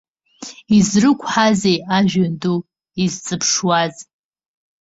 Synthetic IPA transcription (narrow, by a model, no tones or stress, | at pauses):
izrɨkʷʰħazejaʒᶣandu | izt͡sʼɨpʰʂwaz